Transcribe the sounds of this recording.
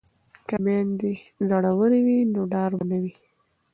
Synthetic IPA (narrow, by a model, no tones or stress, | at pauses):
kamɑnd̪ezaɽawəɾiwinoɖɑɾbanawi